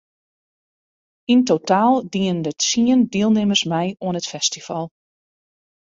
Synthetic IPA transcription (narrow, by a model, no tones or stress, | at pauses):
intotaːlˠdiəndətsiəndiəlˠnɪməsmɛjoənətfɛstifɑlˠ